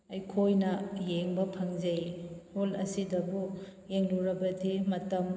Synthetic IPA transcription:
ɐjkʰojnɐjeŋbɐpʰɐŋzejholɐsidɐbujeŋluɾɐbɐdimɐtɐm

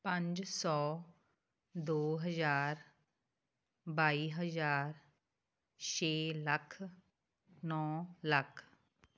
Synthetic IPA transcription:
pə̃ɲd͡ʒsɔː | d̪oːɦəzaːɾ | baːiːɦəzaːɾ | t͡ʃʰeːləkʰ | nɔːləkʰ

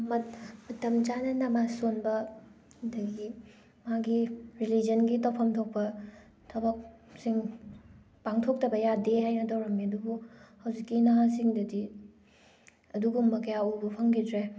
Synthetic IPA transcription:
mɐt̚mɐtɐmd͡ʒanɐnɐmasonbɐ | dɐɡi | maɡiɾilid͡ʒɐnɡitɐwpʰɐmtʰok̚pɐ | tʰɐbɐk̚ | siŋ | paŋtʰok̚tɐbɐjadehajnɐtɐwɾɐmːiɐduɡuhɐwzikːinɐɦasiŋdɐdi | ɐduɡumːɐkɐjaubɐpʰɐŋɡidɾe

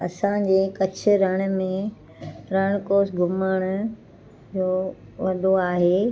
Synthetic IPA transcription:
ɐsãd͡ʑeːkɐt͡ɕʰɪ̆ɾɐɽ̃̆mẽ | ɾɐɽ̃koːsɡʱʊməɽ̃ʊ | d͡ʑoː | ʋɐd̪ʱoaːɦeː

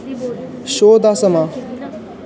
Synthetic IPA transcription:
ɕoːd̪asəma

